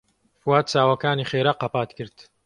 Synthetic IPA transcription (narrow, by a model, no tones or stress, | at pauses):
fuwaːt̪̚t͡ʃaːwɐkaːniːχeːɾaqɐpaːt̪kʰɨɾt̪